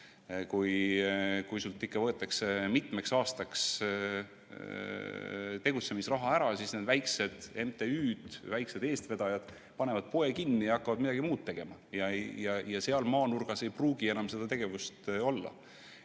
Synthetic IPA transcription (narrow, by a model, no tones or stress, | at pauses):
kuj | kujsult̪ːˑikːɑvɤ̞et̪ːˑɑkse̞mit̪meksɑːst̪ɑks | t̪e̞ɡ̥ut̪se̞misrɑɦɑæɾɑsisne̞d̪væjkse̞d̪̥e̞nt̪ːˑe̞yːd̪̥væjkse̞d̪̥e̞ːst̪ve̞d̪̥ɑjɑd̪̥ | pɑne̞vɑd̪̥̚po̞e̞kinːiɑkːɑvɑd̪̥̚mid̪ɑɡimuːd̪̥̚t̪ːe̞ɡ̥e̞mɑjɑjɑjɑse̞ɑlmɑːnurɡ̥ɑse̞jpruːɡie̞nɑmse̞d̪̥ɑt̪e̞ɡ̥e̞vust̪o̞lːɑ̰